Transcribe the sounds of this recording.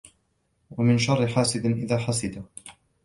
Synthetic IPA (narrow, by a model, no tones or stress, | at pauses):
wamɪnʃɑrˤːɪħaːsɪd̪nʔɪðaːħasɪd̪a